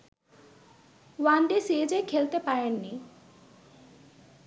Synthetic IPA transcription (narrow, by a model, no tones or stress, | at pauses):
wanɖ̪isied͡ʑekʰelt̪epaɾenːi